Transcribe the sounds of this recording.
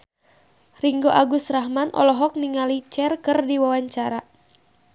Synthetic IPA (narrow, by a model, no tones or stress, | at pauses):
riŋɡoʔaɡust̪rahmanʔɔ̰lɔɦɔk̚niŋalit͡ʃɛrkɨrdiwawaɲt͡ʃaɾa